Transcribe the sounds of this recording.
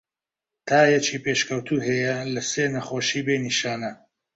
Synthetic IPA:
t̪ʰaːjɛt͡ʃiːpeːʃkɐwt̪ʰuːɦɐjɐlɐseːnɐχoːʃiːbeniʃaːnɐ

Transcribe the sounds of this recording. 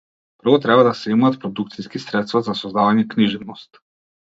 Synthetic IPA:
pr̩vɔt̪ɾɛbad̪asɛimaːt̪̚pɾɔd̪ukt̪siskisɾɛt̪st̪vazasɔzd̪avaɲɛkniʒɛnɔst̪

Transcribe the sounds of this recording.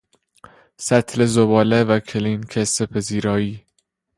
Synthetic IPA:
sæt̪ʰlezobɒːlevækʰeliːnkʰesepʰeziːɾɒːiː

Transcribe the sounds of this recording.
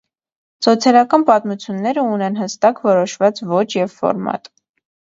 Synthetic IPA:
sɔt͡sʰjɑlɑkɑnpɑt̪mut͡sʰjunːɛɾəunɛnɦəst̪ɑkvɔɾɔʃvɑt͡svɔt͡ʃʰjɛvfɔ̰ɾmɑ̰t̪

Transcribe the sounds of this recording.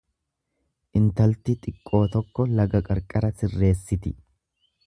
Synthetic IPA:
ʔɪnt̪ɐlt̪ɪt̪ʼɪkʼːo̞ːt̪ɔkːɔlɐɡɐkʼɐɾkʼɐɾɐsɪrːe̞ːsːɪt̪ɪ

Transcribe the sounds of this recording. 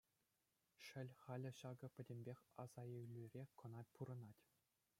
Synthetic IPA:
ʂɘ̆lʲχɑlʲɘ̆ɕɑɡɤ̆pʲɘ̆dʲemʲbʲexʲɑ̰z̥ɑewlʲyrʲekɤ̆nɑpʰuɾɤ̆nɑtʲ

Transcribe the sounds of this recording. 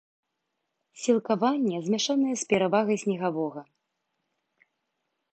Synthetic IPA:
sʲilˠkavanʲːɛzʲmʲɛʂanɐjɛspʲɛɾavaɣɐjsʲnʲɛɣavɔɣɐ

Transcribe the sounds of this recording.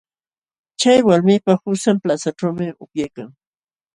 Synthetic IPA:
t͡ʃajwaɾmɪpahʊsamplasaʈ͡ʂawmɪʊpjajkaŋ

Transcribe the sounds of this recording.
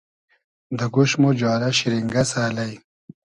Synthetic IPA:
d̪ɐɡuɕmod͡ʑaːɾɐɕiɾiŋɡɐsaːlɐj

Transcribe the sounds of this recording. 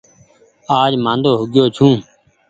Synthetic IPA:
aːd͡ʒmãːnd̪oːɦʊɡɪjoːt͡ʃʰũː

